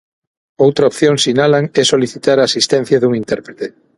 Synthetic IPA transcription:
owt̪ɾaopθjõŋsinalaŋɛsoliθit̪aɾaːsist̪ɛ̃n̟θjɐðuŋĩnt̪ɛɾpɾet̪e

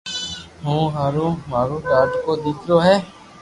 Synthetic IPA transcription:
ɦũːɦaːɾũːmaːɾuːd̪aːɖkoːd̪iːkʰɾoːɦɛː

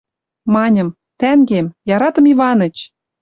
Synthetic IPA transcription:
mɑnʲə̆m | t̪æŋɡemjɑɾɑt̪ɤ̆miβɑnə̆t͡ɕ

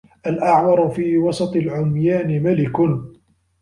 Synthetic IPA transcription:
ʔalʔaʕmɑɾˤfiːwɑsˤɑt̪ˤɨlʕʊmjaːnɪmalɪkʊn

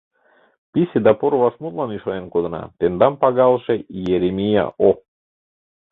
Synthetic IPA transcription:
pʲisʲed̪ɑpoɾvɑʃmut̪lˠɑnyʃɑjenkod̪ɤ̆nɑ̰t̪end̪ɑmpɑɡɑlˠʃejeɾʲemʲijɑ̰ʔo

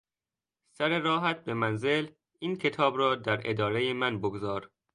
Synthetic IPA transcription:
sæɾeɾɒːɦæt̪̚be̞mænzel | iːncʰe̞t̪ʰɒːbɾɒːd̪æɾed̪ɒːɾe̞jemænboɡozɒːɾ

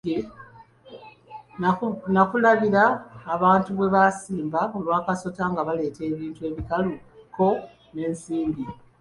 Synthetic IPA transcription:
e | nakulaβiɾaːβaːntuβwe̞βasiːmbao̞lwaːkaso̞taŋɡaβale̞ːtʰe̞ːβiːntue̞ːβikalu | ko̞ | ne̞ːnsiːmbi

